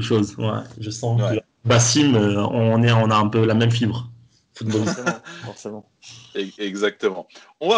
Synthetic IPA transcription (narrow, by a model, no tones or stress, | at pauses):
uʃozwɛ̰ʒəsɑ̃kə | basimøɔ̃nɛɔ̃naɛ̃pølamɛmfibʁ | fut̪̚bɔlisfɔʁsemɑ̃ | ɛɡzak̚t̪əmɑ̃ | ɔ̃va